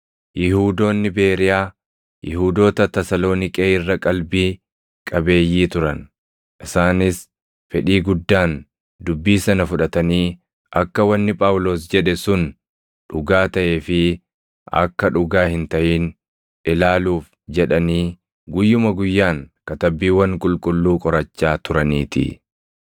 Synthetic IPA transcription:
jɪhuːd̪o̞ːnːɪbe̞ːɾɪjaː | jʔɪhuːd̪o̞ːt̪ɐt̪ɐsɐlo̞ːnɪkʼeːɪrːɐkʼɐlbiː | kʼɐbe̞ːjːiːt̪ʊɾɐn | ʔɪsaːnɪs | fɛᶑiːɡʊd̪ːaːn | d̪ʊbːiːsɐnɐfʊᶑɐt̪ɐniː | ʔɐkːɐwɐnːɪpʼaːwʊlo̞ːsd͡ʒɛᶑɛsʊn | ᶑʊɡaːt̪ɐʔe̞ːfɪ | ɐ̰kːɐᶑʊɡaːhɪnt̪ɐʔiːn | ʔɪlaːluːf | d͡ʒɛᶑɐniː | ɡʊjːʊmɐɡʊjːaːŋkɐt̪ɐbːiːwɐŋkʼʊlkʼʊlːuːkʼɔɾɐt͡ʃːaːt̪ʊɾɐniːt̪ɪ̰

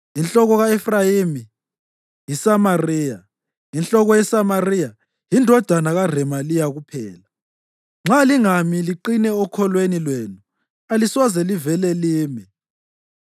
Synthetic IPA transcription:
int͡ɬʼɔɣɔɣaɛfrajimi | jisamariːja | int͡ɬʼɔɣɔjɛsamarija | jindʱɔd̥ʱanaɣar̤ɛmalijaɣupʰɛːla | ŋ͡ǁʱaliŋamiliǃinɛɔkʰɔlwenilwenu | alisɔzɛlivɛlɛliːmi

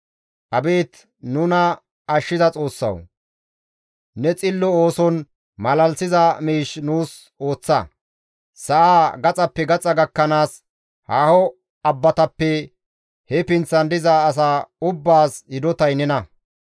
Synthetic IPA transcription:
ʔɐbeːt̪ | nʊnɐː | ʃːɪzɐt͡sʼo̞ːsːɐ̰w | nɛt͡sʼɪlːɔoːsɔn | mɐlɐlsɪzɐmiːʃnuːs | o̞ːt͡sːɐ | sɐʔaːɡɐt͡sʼɐpːɛɡɐt͡sʼɐɡɐkːɐnaːs | haːhɔ | ɐbːɐt̪ɐpːɛ | hɛpɪnt͡sːɐnd̪ɪzaːs̬aːʊbːaːsjɪd̪ɔt̪ɐjnɛnɐ

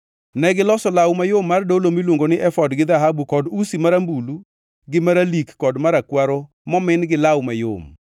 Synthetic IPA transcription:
nɛɡɪlɔsɔlawmajomːardolomilwoŋɡonɪʔɛfɔdɡɪd̪aɦabukɔdusimaɾambulu | ɡɪmaɾalikːɔdmaɾakwaɾo | mɔmɪnɡɪlawmajo̰m

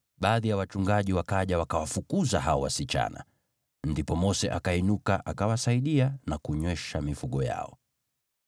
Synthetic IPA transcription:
ɓaːðijawat͡ʃuŋɡaʄiwakaʄawakawafukuzaɦaɔwasit͡ʃa̰na̰ | ndipɔmɔsɛʔakainukaʔakawasaiɗianakuɲwɛʃamifuɠɔja̰ɔ

